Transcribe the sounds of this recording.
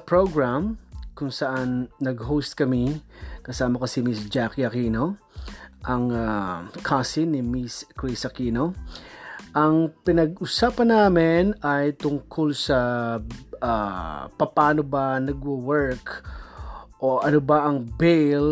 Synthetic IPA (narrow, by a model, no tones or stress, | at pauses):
pɹoɡɹamkʊŋsɐʔanːɐɡɦowst̪̚kɐmikɐsaːmɐkɐsimisd͡ʒakiɐkino | ʔɐŋakʰasɪnɪmiskɹisɐkino | ʔɐŋpɪnɐɡʔʊsaːpɐnːaːmɪnɐjt̪ʊŋkʰolsɐ | apɐpaːnobɐnɐɡwʊwɛɹk | ʔoʔɐnobɐʔɐŋbejl